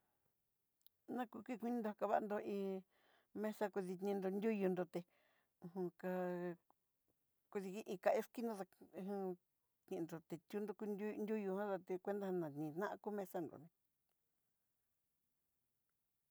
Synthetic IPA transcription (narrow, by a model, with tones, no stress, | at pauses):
nã˦ku˧kʷi˦˧kʷi˧nĩ˦nd̪o˧ha˧ka˧βa˦ʔnd̪o˧ĩ˧ | mẽ˧sa˧ku˧ði˧nĩ˧nd̪o˧nd̪ʲu˦ju˧nd̪o˧t̪e˧ | ũ˧˨hũ˧ka˧ | ku˧ði˧ki˧ʔĩ˧ka˧ʔe˦ski˦nõ˧ða˧ũ˧ | t̪nĩ˧nd̪o˨t̪e˨t̪ʲu˦nd̪o˧ku˧nu˦nd̪ʲu˦ju˧hã˦t̪a˧t̪e˧kʷe˦nd̪a˦hã˧nã˨˧nĩ˨˧nã˦ʔa˧ku˦mẽ˧sa˧nd̪o̰˨nẽ˧